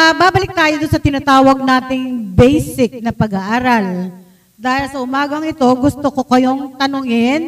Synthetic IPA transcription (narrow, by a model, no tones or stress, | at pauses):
ɐbaːbɐlɪk̚t̪aːjod̪ʊnsɐt̪ɪnaːt̪aːwɐɡ̚naːt̪ɪŋbɛjsɪk̚nɐpɐɡɐʔaːɾal | d̪aːhɪlsɐʔʊmaːɡɐŋɪt̪o̞ɡʊst̪okokɐjo̞ŋt̪ɐnʊŋɪn